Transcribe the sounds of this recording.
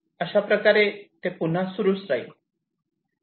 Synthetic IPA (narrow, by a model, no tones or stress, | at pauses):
əɕapɾəkaɾet̪epun̤asuɾusd͡zai